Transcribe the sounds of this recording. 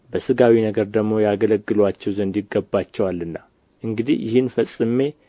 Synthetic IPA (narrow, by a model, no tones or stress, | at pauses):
bəsɨɡawinəɡəɾd̪əɡmo̞jaɡələɡːɨlwat͡ʃːɛwzənd̪jɪɡːəbːat͡ʃːɛwalːɨnːa | ʔɨŋɡɨd̪ḭhjɪ̰hɨnfəsʼɨmːe̞